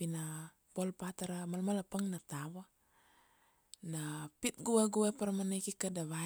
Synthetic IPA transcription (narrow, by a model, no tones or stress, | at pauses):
pina | polpat̪aɾamalmalapaŋnat̪aβa | napit̪̚ɡuweɡuwepaɾmanekikadaβa